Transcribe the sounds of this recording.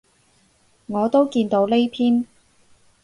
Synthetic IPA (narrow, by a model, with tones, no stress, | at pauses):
ŋɔː˨˧t̪o˥wkiː˧nt̪o˨˧˥wle˥jpʰiː˥n